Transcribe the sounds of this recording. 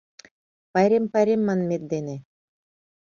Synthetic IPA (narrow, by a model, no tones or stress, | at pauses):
pɑjɾʲempɑɾʲemːɑnmʲet̪̚d̪ene